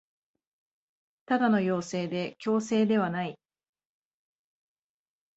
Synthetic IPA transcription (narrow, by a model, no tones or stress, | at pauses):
t̪ad̪ano̞jo̞ːse̞ːd̪e̞kʲo̞ːse̞ːd̪e̞βanai